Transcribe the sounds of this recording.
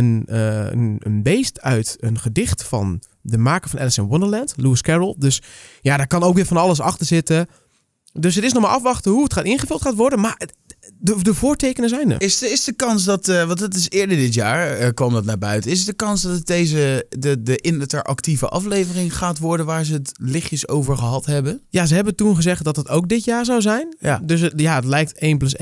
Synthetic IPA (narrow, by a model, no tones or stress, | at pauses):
ənəə̰ə̰nbejstœɥtənχədɪχtfɑ̰n | dəmaːkə̥fɑnʔɛ̰ləsənwʊndəɹlɛntluɪskɛɹəlˠdøsjadaːɹkɑnowkʋɪːɹfɑnɑləs̬ɑχtəɹzɪtə | dɵsɦətɪs̬nɔχmaːʔɑfʋɑχtəɦuətχaːtɪnχəvɵlˠtχaːtʋɔɹdənmaːɹ | dədəvʊːɹtejkənəzɛjnə̰ɪsɪsdəkɑnsdɑtʋɑntətɪsɪːɹdəɹdɪtjaːɹəkʋɑmdɑtnaːbœɥtəɪs̬ətdəkɑnsdɔtdejzədədəʔɪnətəɹʔɑ̰ktivə̰ʔɑ̰flejvərɪŋχaːtʋɔɹdənʋaːɹzəətlɪχjəso̰wvəɹχəɦɑtɦɛbənjazəɦɛbəntunχəzɛχt̚dɔtətowk̚dɪtjaːɹzawzɛjndøs̬jaətlɛjk̚tejnpløse